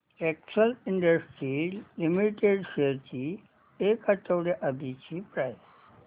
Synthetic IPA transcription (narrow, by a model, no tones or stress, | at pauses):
ɛksəliɳɖəsʈɾilimiʈeɖɕet͡ɕi | ekat̪əʋɽeʔad̪it͡ɕipɾajs